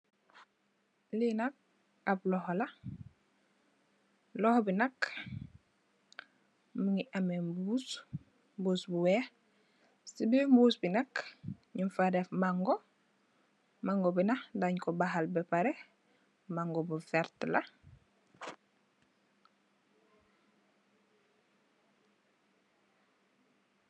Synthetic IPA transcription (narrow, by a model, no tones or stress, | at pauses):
linak̚ | ap̚lɔɦɔlɐ | lɔhbinɐk | miŋiʔamembus | mbuːsbuwɛː | sibimbuːsbinɐk | ɲiɱfaɾefmaŋɡɔ | maŋɡɔbinahdaɲkɔbaɦalbɛpaɾɛ | maŋɡɔbufɛɾtla